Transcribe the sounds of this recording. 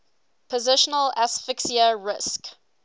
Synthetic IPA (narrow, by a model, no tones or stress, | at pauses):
pʰəzɪʃənəlasfɪksiəɹɪsk